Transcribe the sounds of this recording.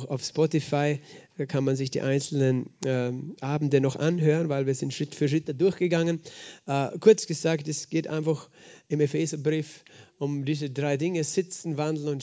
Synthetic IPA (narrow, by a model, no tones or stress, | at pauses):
xaʊfspɔtifaɪkʰanmanzɪçd̥ḭːʔaɪnt͡sl̩nənː | ʔaːbn̩dənɔχʔa̰nɦøːʁənvaɪlviːɐzɪntʃʁ̥ɪtfyːɐʃ̬ɪtədʊɐçɡ̥əɡaŋənʔːkʰʊɐt͡sɡ̥əzaːktɛsɡ̥eːtʔa̰ɪ̃nfaxʔɪmefeːzɐbʁiːfʊmdiːzədʁaɪdɪŋəz̥ɪt͡sn̩vandl̩nʊnt